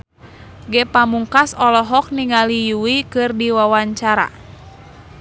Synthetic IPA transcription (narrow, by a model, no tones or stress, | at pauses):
ɡɛpamuŋkasɔlɔɦɔk̚niŋalijuwikɨrdiwawaɲt͡ʃaɾa̰